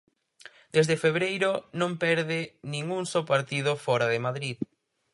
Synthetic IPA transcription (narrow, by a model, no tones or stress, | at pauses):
d̪̥ezðefeβɾejɾonõmpɛɾðɪnĩŋuŋsopaɾt̪iðʊfɔɾaðemaðɾið